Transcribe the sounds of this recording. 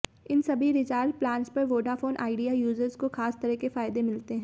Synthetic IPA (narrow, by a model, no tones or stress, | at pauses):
ɪnsɐbʱiɾɪd͡ʒaːɾɖ̚plãːnspɐɾʋoːɖafoːnʔa̰ːɪɖijajuːzəɾzkoxaːst̪ɐɾɛkefaːɪd̪emɪlt̪eɦɛ̃ː